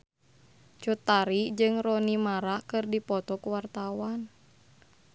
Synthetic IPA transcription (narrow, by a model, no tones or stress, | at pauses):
t͡ʃut̪aɾid͡ʒɨŋrɔnimaɾakɨrdipɔt̪ɔkuwart̪awan